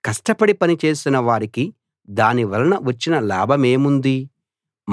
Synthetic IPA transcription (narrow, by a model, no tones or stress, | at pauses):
kɐsʈɐpɐɽipɐnit͡ʃe̞ːsinɐʋaːɾiki | d̪aːniʋɐlɐnɐʋɐt͡ʃːinɐlaːbʱɐme̞ːmund̪i